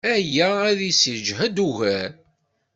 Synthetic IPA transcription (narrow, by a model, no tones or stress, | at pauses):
æjææðisiɾd͡ʒɦæd̪uʝæɾ